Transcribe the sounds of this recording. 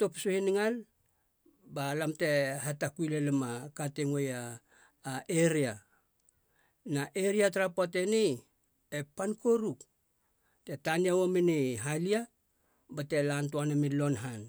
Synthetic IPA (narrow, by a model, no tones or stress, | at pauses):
to̞psohiniŋal | balamte̞hatakuilelemakateŋojaː | eɾia | naʔeɾiataɾapat̬enij | epanko̞ɾuk | te̞taniawomeniɦalia | bate̞lantoanamilo̞nɦan